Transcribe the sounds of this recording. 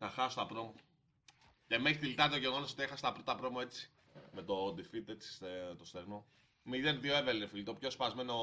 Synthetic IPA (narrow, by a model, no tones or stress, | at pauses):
nɐxɐsot̪ɐpɾomo | cemeçit̪ilit̪ɐɐt̪oʝeɣonosot̪ieaset̪ɐpɾot̪ɐpɾomoe̞t͡si̥ | met̪od̪ifit̪e̞t͡si̥set̪ost̪eɣno | miðenðioevelinefilit̪opçospazme̞no